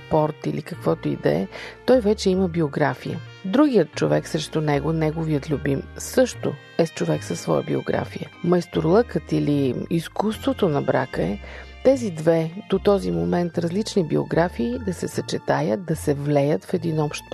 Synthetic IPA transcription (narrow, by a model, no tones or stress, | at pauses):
pɔɾt̪ilikɐkvɔt̪oḭd̪ɐ̰ɛ̰t̪ɔjvɛt͡ʃɛiməbioɡɾafijə̰ | d̪ɾuɡijət̪̚t͡ʃovɛksɾɛʃt̪ʊnɛɡonɛɡoviət̪lʲubimsɤʃt̪o | ɛst͡ʃovɛksəsvɔ̰jə̰bḭo̰ɡɾa̰fijə̰mɐjst̪oɾlˠɤkət̪iliiskust̪vot̪onɐbɾa̰kəɛt̪ɛzid̪vɛd̪̥ot̪ɔzimomɛnt̪ɾɐzlit͡ʃnibio̰ɡɾafiːd̪ɐsɛsɐt͡ʃɛt̪ajət̪̚d̪ɐsɛvlɛjət̪fɛd̪inɔpʃt̪̚